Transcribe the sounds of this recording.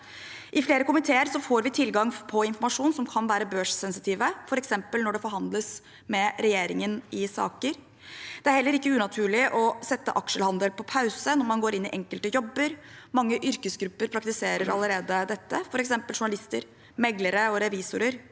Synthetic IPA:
ʔɪfleːɾəkʊmɪt̪ʰeːəɾsɔfoːɾʋɪt̪ʰɪlɡɑŋpʰɔɪnfɔɾmɑʂuːnsɔmkʰɑnʋæːɾəbøːʂsɛnsɪt̪ʰiːʋəfɔɾɛksɛmpəlnɔɖɛfɔɾɦhɑnd̪ləs | mɛɾɛjeːɾɪŋənɪsɑ̰ːkəɾ | d̪̥ɛæɾhɛlːəɾɪkːəʉːnɑt̪ʰʉːɭɪʔɔsɛt̪ːə̰ʔɑkʂəlhɑnd̪əlpʰɔpʰɑʉsənɔɾmɑnɡoːɾɪnːɪʔɛŋkəlt̪əjɔbːəɾmɑŋːəʔʏɾkəsɡɾʉpːəɾpʰɾɑkt̪ɪseːɾəɾɑ̰lːəɾeːd̪əd̪ɛt̪ːəfɔɾɛksɛmpəlʂʊɳɑlɪst̪əɾ | mɛɡləɾəɔɾɛʋiːsʊɾəɾ

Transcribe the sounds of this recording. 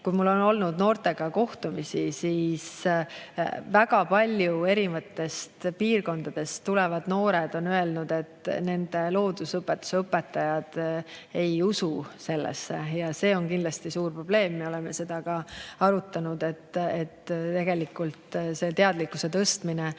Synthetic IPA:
kujmulːo̞no̞lnud̪̥no̞ːrt̪e̞ɡ̥ɑko̞ht̪umisisiːs | væɡɑpɑlʲjue̞ɾimɑt̪ːˑe̞st̪piːrko̞nd̪ɑd̪̥e̞st̪ːule̞vɑd̪̥no̞ːɾe̞d̪̥o̞nøe̞lnud̪̥e̞t̪ne̞nd̪̥e̞lo̞ːd̪usɤpːˑe̞t̪ːˑu̥seɤpːˑe̞t̪ːˑɑjɑd̪̥e̞jususe̞lːḛsːejɑse̞ːo̞nkind̪lɑst̪isuːrpro̞b̥le̞ːmːe̞o̞le̞me̞se̞d̪̥ɑɡɑɑɾut̪ːˑɑnud̪̥e̞t̪ːet̪t̪e̞ɡ̥e̞likːˑult̪se̞t̪e̞ɑd̪likːˑuse̞t̪ɤst̪mine

